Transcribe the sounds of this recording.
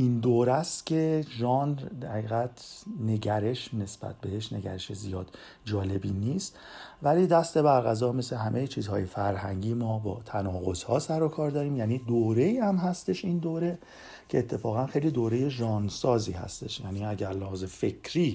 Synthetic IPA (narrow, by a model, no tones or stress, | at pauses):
ʔind̪oːɾæst̪cʰe̞ʒɒːnd̪æɾhiːɣæt̪ʰne̞ɟæɾe̞ʃne̞sb̥æ̰t̪̚ʰbe̞heʃne̞ɟæ̰ɾeʃezijɒːd̪̥ | d͡ʒɒːle̞biniːst̪ | væliːd̪æst̪e̞bæɾɣæzɒːme̞sle̞ɦæmʔejet͡ʃʰiːzhɒːje̞fæɾhæŋɟiːmɒːbɒ̰ːt̪ʰænɒːɣo̞z̥hɒːsæɾokʰɒːɾd̪ɒːɾiːmjæːniːd̪oːɾe̞iːhæmɦæst̪e̞ʃind̪oːɾe̞ | cʰeːt̪ʰːe̞fɒːɣænxejliːd̪oːɾe̞jeʒɒːnsɒːziːhæ̰st̪e̞ʃjæniːæɟæɾlɒhzefe̞cʰɾiː